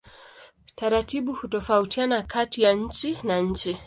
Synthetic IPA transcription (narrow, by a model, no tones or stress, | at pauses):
taɾatiɓuhutɔfautianakʰatijaɲ̩t͡ʃinaɲ̩t͡ʃi